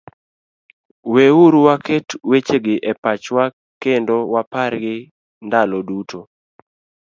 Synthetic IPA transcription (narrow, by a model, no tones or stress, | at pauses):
weuɾwakʰetwet͡ʃeɡɪʔɛpat͡ʃwa | kendowapaɾɡɪ | ndalodutʰo